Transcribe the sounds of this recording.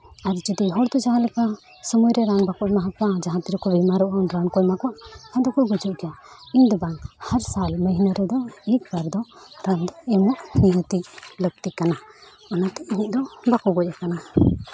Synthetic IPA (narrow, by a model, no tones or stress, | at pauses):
aɾit͡ʃəd̪iɦɔɽd̪ɔd͡ʒaɦãlɛka | səmujɾɛɾaŋbakɔmaɦakad͡ʒaɦãt̪iɾɔkɔbimaɾɔʔɔnɾaŋkɔjmakɔaʔhɛd̪ɔkɔjɡud͡ʒuʔɡɛjaiɲd̪ɔbaŋhaɾsalməɦinəɾɛd̪ɔik̚baɾd̪ɔɾaŋd̪ɔɛmɔʔniɦət̪iʔlək̚t̪ikana | ɔnat̪ɛʔ̚iɲiʔ̚d̪ɔbakɔɡɔc̚akana